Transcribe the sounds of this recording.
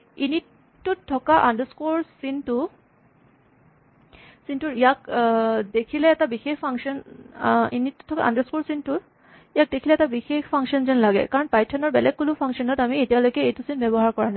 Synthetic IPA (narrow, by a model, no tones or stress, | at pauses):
initː | uɔkaʔandəskuɹsintʊ | sintuɹijakdekʰilɛːtabixexpʰaŋsɔn | ḭnitːu̥tʰːɔka̰ʔa̰ndəskuɹsintʊ | ijak̚dekʰilɛːtabixexpʰaŋʃɔnzɛnlaɡɛ̰kaɹɔnpajtʰɔnɔɹbɛlɛɡ̚kulupʰaŋkʃɔnɔtamietijalojkɛejtusinbɛbɔɦaɹkɔɹana